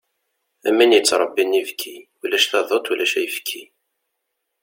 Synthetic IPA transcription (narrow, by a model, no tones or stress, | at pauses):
æmːinjət͡sːɾˤɑbːinivkʰːi | ulæʃθæðˤot̪ˤulæʃæ̰jəfkʰːi